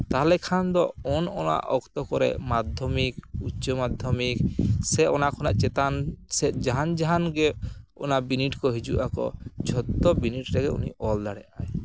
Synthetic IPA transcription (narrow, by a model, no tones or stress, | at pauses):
t̪aɦalɛkʰand̪ɔɔnɔna̰ʔɔkt̪ɔkɔɾɛ̰mad̪ʱjɔmikut͡ʃɔmad̪ʱjɔmiksɛɔnakʰɔnaʔt͡ʃɛt̪ansɛd͡ʒaɦand͡ʒaɦanɡɛɔ̰nabiniʈkɔɦid͡ʒuʔakɔ̰d͡ʒʱɔt̪ːɔbiniʈɾɛɡɛṵnḭʔɔld̪aɽɛʔaj